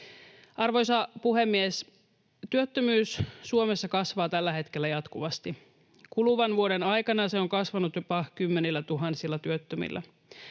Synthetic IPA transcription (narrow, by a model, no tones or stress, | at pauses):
ʔɑrʋo̞jsɑpuhe̞mːies | t̪yøt̪ːømyːssuomesːɑkɑsʋɑːt̪ælːæɦe̞t̪ke̞lːæjɑt̪kuʋɑst̪i | kuluʋɑnʋuoɾenɑjkɑnɑseo̞ŋkɑsʋɑnut̪jopɑkymːenilːæt̪uɦɑnsilːɑt̪yøt̪ːømḭlːæ̰